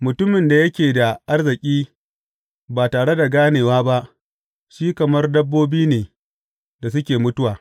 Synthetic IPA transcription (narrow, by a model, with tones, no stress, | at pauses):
mʊ˨tʊ˦mɪ˨nda˨jɐ˦kʲeː˨da˨ʔa˦rzɪ˨kʲʼiː˦ | baː˨taː˨ɽe˦da˨ɡaː˦neː˨waː˦ba˦ʔ | ʃiː˦kɐ˨mɐ˦rdɐ˦bːoː˦biː˦neː˨ | da˨s̬ʊ˦kʲeː˨mʊ˦tʊ˦waː˨